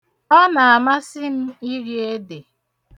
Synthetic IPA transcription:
ɔ˦na˨a˨ma˦sɪ˦m̩˦i˦ɾi˦e˦de˨

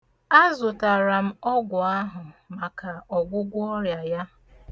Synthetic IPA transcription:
a˦zʊ˨ta˨ɾa˨m̩˦ɔ˦ɡʷʊ˨a˦ɦʊ˨ma˨ka˨ɔ˨ɡʷʊ˦ɡʷʊ˦ɔ˦ɾja˨ja˦

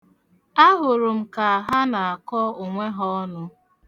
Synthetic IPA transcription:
a˦ɦʊ˨ɾʊ˨m̩˨ka˨a˨ɦa˦na˨a˨kɔ˦o˨ŋʷe˦ɦɔ˦nʊ˦

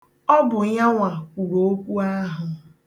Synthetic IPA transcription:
ɔ˦bʊ˨ɲa˦ŋʷa˨kʷu˨ɾo˨o˦kʷu˦a˦ɦʊ˨

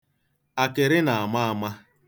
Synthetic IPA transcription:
a˨kɪ˨ɾɪ˦na˨a˨ma˦a˨ma˦

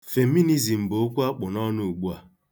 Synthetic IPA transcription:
fe˨mi˦ni˦zi˨m̩˨bo˨˦kʷu˦a˦k͡pʊ˨nɔ˦nʊ˦u˨ɡ͡bu˦a˨

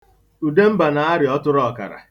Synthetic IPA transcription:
u˨de˦m̩˦ba˨na˨a˦ɾɪ˨ɔ˦tʊ˦ɾɔ˦˨ka̰˨ɾa̰˨

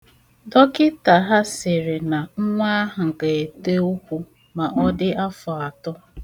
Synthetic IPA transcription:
dɔ˦kɪ˦ta˨ɦa˦sɪ˨ɾɪ˨na˨ŋ̩˦ŋʷa˦ɦʊ˨ŋ̩˨ka˨e˨te˦u˦kʷu˦ | ma˨ʔɔ˦dɪ˦a˦fɔ˨a˨tɔ˦

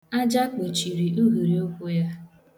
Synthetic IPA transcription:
a˦d͡ʒa˦k͡po˨t͡ʃi˨ɾi˨ʔu˦ɣu˨ɾi˨o˦kʷʊ˦ja˦

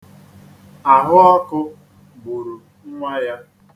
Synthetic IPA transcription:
a˨ɦʊ˦ɔ˦kʊ˦ | ɡ͡bo˨ɾo˨ | ŋ̩˦ŋʷa˦ja˦

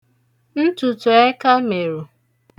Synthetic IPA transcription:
n̩˦tu˨tʊ˨e˦ka˦me˨ɾu˨

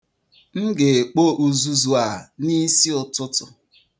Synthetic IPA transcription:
ŋ̩˦ɡe˨e˨k͡po˦ʔu˨zu˨zu˨a˨ni˦si˦ʊ˨tʊ˦tʊ˨

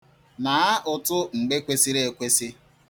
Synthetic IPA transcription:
na˨a˦ʔʊ˨tʊ˦ŋ͡m̩˨ɡ͡be˦kʷe˦si˦ɾe˦e˨kʷe˦si˦

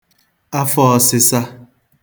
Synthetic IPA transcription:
a˦fɔ˦˨sɪ˦sa˦

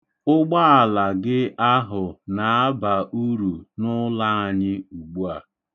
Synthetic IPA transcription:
ʊ˦ɡ͡ba˦a˨la˨ɡɪ˦a˦ɦʊ˨na˨a˦ba˨ʔu˦ɾu˨nʊ˦la˦a˨ɲɪ˦u˨ɡ͡bu˦a˨

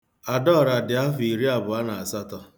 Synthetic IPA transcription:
a˨dɔ˦˨ɾa˨dɪ˨a˦fi˨ɾi˦a˨bʊ˨a˦na˨a˨sa˦tɔ˦

